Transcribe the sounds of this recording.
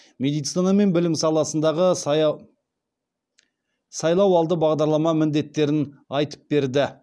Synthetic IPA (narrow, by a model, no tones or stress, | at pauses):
me̞d̪ijt̪sinɑme̞nbɪlɪmsɑlˠɑsənd̪ɑʁə | sɑjlˠɑwɑlˠd̪əbɑʁd̪ɑɾlˠɑmɑmɪnd̪e̞t̪ːe̞ɾɪnɑjt̪ə̥p̚be̞ɾd̪ɪ